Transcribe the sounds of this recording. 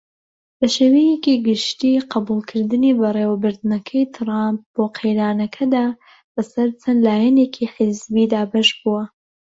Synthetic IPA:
bɐʃewijekiɡɨʃt̪iːqɑbuːlˠkʰɨɾd̪ɨniːbɐrˤewɐbɨɾd̪nɐkʰɐjt̪ʰɾamp̚b̥oːqʰejɾaːnɐkʰɐd̪aː | bɐsɐɾt͡sʰɐnlaːjɛneːkʰiħɨzbiːd̪aːbɐʃbuwɐ

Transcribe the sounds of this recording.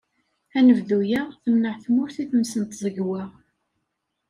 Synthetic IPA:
ænəvðujaθəmnəʕθmʊɾθiθəmsənt̪zˤəɡwaʁ

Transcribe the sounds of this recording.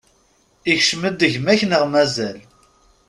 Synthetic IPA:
içʃməd̪ːəʝmæçnəʁmæzæl

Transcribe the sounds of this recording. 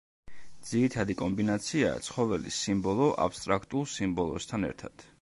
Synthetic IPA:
d̪z̥iɾit̪ʰad̪ikʼɔmbinat̪sʰia̰t̪sʰχɔvɛlḭsimbɔlˠɔʔa̰pst̪ʼɾakʰt̪ʼulˠsimbɔlˠɔst̪ʰanɛ̰ɾt̪ʰat̪

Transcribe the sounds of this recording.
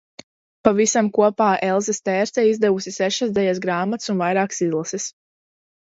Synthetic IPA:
pavisamkuɔpaːʔɛlˠzɛst̪ɛːɾt̪ɛizd̪ɛvusisɛʃasd̪ɛjasɡɾaːmat̪sunvajɾaːksizlˠasis

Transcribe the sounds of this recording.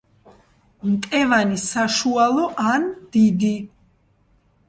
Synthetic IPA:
mt̪ʼɛvanisaʃualˠɔʔand̪̥id̪i

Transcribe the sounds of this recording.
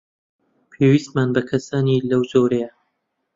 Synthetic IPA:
pʰeːwiːst̪manbɐkʰɐsaːnilɐwd͡ʒoːɾɐjɐ

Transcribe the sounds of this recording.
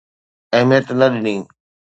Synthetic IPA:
ɐɦmijət̪nɐɗɪniː

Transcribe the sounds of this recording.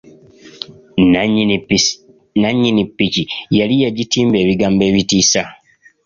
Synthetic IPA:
naɲːinipːicijalijaɟitiːmbe̞ːβiɡaːmbe̞ːβitiːsa

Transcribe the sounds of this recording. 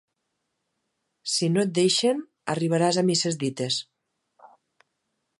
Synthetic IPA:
sinot̪̚d̪ejʃen | a̰riβ̞aɾazamisezðit̪es

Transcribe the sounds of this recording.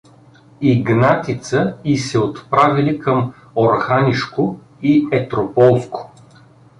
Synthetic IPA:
iɡnat̪it̪səisɛot̪pɾavilikʰəm | oɾxaniʃkʊ | iɛt̪ɾopɔlˠsko̥

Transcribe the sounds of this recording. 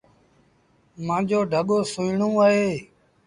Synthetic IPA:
mãːd͡ʒoːɖʱəɠoːsʊiɳũːaːɦeː

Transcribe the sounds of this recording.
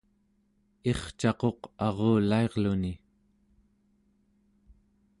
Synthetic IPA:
e̞χt͡ʃɑqo̞qɑʁoːlae̞ʁluni

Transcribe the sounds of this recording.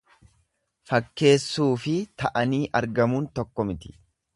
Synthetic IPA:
fɐkːe̞ːsːuːfɪt̪ɐʔɐniːʔɐɾɡɐmuːnt̪ɔkːɔmɪt̪ɪ̥

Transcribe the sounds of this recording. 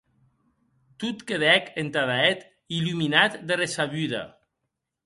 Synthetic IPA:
t̪ut̪keðɛkent̪aðaɛt̪ | iluminat̪d̪eresaβyða̰

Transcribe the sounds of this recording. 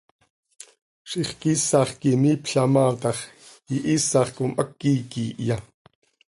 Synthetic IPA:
ʃʔiχkisɑχkimiːpɬɑmɑːt̪ɑχ | iʔiːsɑχkumʔəkːiːkiːʔjɑ

